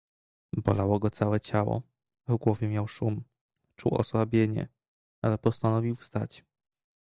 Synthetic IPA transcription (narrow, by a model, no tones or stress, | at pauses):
bɔ̰lawɔɡɔt̪sawɛt͡ɕawɔ̰ | vɡwɔvʲjɛmʲjawʂum | t͡ʂuwɔ̰swabʲjeɲɛ̰ | alɛpɔst̪anɔvʲiwfst̪a̰t͡ɕ